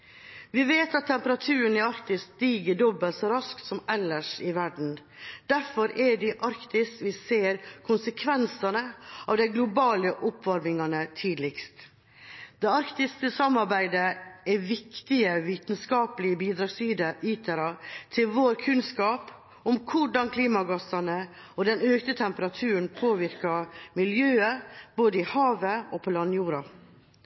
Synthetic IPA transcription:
ʋɪʋeːt̪ɑt̪ʰːɛmpəɾɑt̪ʰʉːɾənɛɑɾkt̪ɪsd̪iːɡəɖɔbːəlsɔɾɑskt̪sɔmɛlːəʂɪʋæɖɳ̩ | d̪̥æɾfɔɾɛɖɪʔɑɾkt̪ɪskʋɪseːɾkʰʊnsəkʰʋɛnsɑnəɑːʋd̪æɪɡlʊbɑːləʔʊpʰːʋɑɾmɪŋɑnət̪ʰiːd̪lɪkst̪ | d̪̥ɛɑɾkt̪ɪskəsɑmːɑɾbæɪd̪əɛʋɪkt̪ɪəʋiːt̪nskɑːpəlɪəbiːd̪ɾɑːɡsiiːt̪ʰəɾɑt̪ʰɪlʋoːɾkʰʉnskɑːp | ʊmkʰʊɖɑnkʰliːmɑɡɑsɑnə | ɔd̪ɛnøːkt̪ət̪ʰɛmpəɾɑt̪ʰʉːɾəɳ̩pʰoːʋɪɾkɑmɪljøːəb̥oːd̪əɪhɑːʋəopʰɔlɑnːjuːɾɑ

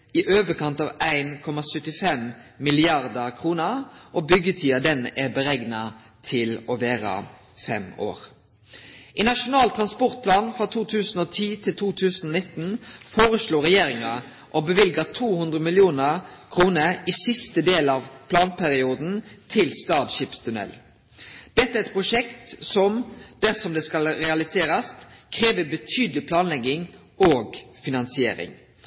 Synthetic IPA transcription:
ɪʔøːʋəkʰɑnt̪ɑʋæɪnkʰɔmɑsœt̪ːɪfɛmmɪlɪɑʁd̪əʁkʰʁuːnəʁʔɔbʏɡət̪ʰiːɑd̪ɛnæbəɾɛɡnɑ | t̪ʰɪlɔʋeːɾə̰ | fɛ̰mo̰ːɾ | ʔɪnɑʂʊnɑːlt̪ʰʁɑnspɔʁt̪̚pʰlɑːnfɾɔt̪ʰuːt̪ʰʉːsn̩oːt̪ʰiːt̪ʰɪlt̪ʰuːt̪ʰʉːsn̩ɔnɪt̪n̩foːʁəsɭoːɾɛjeːɾɪŋɑ | ʔɔbəʋɪlɡət̪ʰuːhʉnd̪ʁəmɪlɪuːnəkʰɾuːnəisɪst̪əd̪eːlɑʋpʰlɑːnpʰæɾɪuːd̪n̩t̪ʰɪlst̪ɑːd̪ʃiːpst̪ʰʉnɛ̰l | d̪̥ɛt̪ːəæɛɾɛt̪pʰɾʊʂɛkt̪sɔmd̪̥æʁsɔmd̪ɛskɑlɾɛɑlɪseːɾɑskʰɾeːʋəbət̪ʰyːd̪əlɪpʰlɑːnlɛɡɪŋ | oːɡfɪnɑnsɪḛːɾɪ̰ŋ

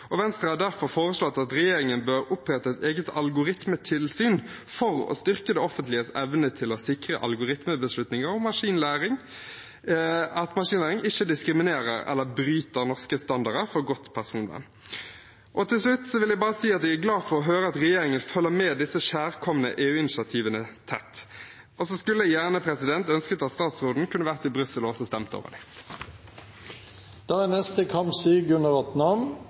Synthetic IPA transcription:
ʔɔʋɛnst̪ʁɑhɑd̪æʁfɔɾfoːɾəslɔt̪ːɑt̪ɾɛjeːɾɪŋənbøɾʊpːɾɛt̪ːəɛt̪eːɡət̪ɑlɡʊɾɪt̪mət̪ʰɪlsyːn | fɔʁɔ̰st̪ʏʁkəd̪ɛɔfənt̪lɪəsɛʋnət̪ʰɪlɔsɪkʁə̰ʔɑ̰lɡʊɾɪt̪məbəslʉt̪nɪŋəɾɔmːɑʂiːnlæːɾɪŋ | ɑt̪mɑʂiːnlæːɾɪŋɪçəd̪ɪskɾɪmɪneːɾəɾɛ̰lːəbɾyːt̪əɾnɔʁskəst̪ɑnd̪ɑɾəfɔɾɡɔt̪ːpʰæʁsuːnə̰n | ʔɔt̪ʰɪlslʉt̪ːsɔʋɪljæɪbɑːʁəsiːɑt̪̚æɡæɡlɑːfɔʁɔɦøːɾəɑt̪ʁɛjeːʁɪŋənfœlːəmeːd̪ɪsːəʃæːʁkʰɔmənə̰ʔeːʉːɪnɪsɪɑt̪ʰiːʋənət̪ʰɛt̪ː | ʔɔsɔskʉlːəjæːʁnəpʰʁɛsɪd̪ɛnt̪œnskət̪ɑt̪st̪ɑːt̪sʁuːd̪n̩kʰʉnəʋæʁt̪ɪlbʁʏsəlɔsɔst̪ɛmt̪əo̰ːʋə̰d̪ɪ | d̪̥ɑːɛnɛst̪əkʰɑmsiːɡʉnəʋɛt̪nɑm

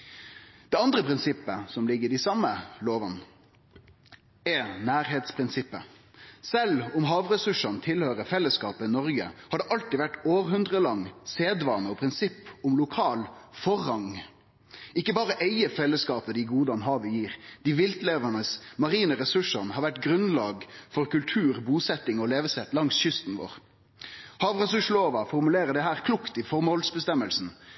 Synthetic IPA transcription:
d̪̥ɛɑnd̪ɾəpʰɾɪnsɪpːəsɔmlɪɡːəd̪ɪsɑmːəloːʋɑn | ɛnæːɾɦeːt̪spʰɾɪnsɪpːə | sɛlʊmɦɑːʋɾɛsʉʂɑnt̪ʰɪlhøːɾəfɛlːəskɑːpəɪnɔɾɡəhɑɖ̪ɛʔɑlt̪ɪːʋæʈːoːɾɦʉnd̪ʁəlɑŋːseːd̪ʋɑːnəɔpʰɾɪnsɪpːʊmlʊkʰɑːlfɔʁːɑŋ | ɪkːəbɑːʁəʔeɪəfɛlːəskɑːpəd̪ɪɡuːd̪ɑnɦɑːʋəjiːʁd̪̥ɪʋɪlt̪leːʋənəsmɑʁiːnəʁɛsʉʂəʁnhɑːɾʋæʈɡʁʉnlɑːɡfɔɾkʉlt̪ʰʉːʁbuːsɛt̪ɪŋɔleːʋəsɛt̪lɑŋsçʏst̪n̩ʋo̰ːʁ | hɑːʋʁɛsʉʂloːʋɑfɔʁmʉleːʁəd̪ɛɦæːʁkʰlʊkt̪ɪfɔʁmɔlsbəst̪ɛməlsn̩

